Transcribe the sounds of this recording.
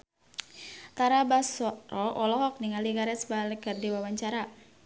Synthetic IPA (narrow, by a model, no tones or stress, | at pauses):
t̪aɾabasɔɾɔʔɔlɔɦɔk̚niŋaliɡaɾɛsbalɪɡardiwawaɲt͡ʃaɾa